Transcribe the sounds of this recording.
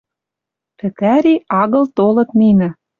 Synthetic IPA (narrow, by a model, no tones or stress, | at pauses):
p̪ɘ̆kæɾiɑɣɤ̆lt̪olɤ̆t̪ninɘ̆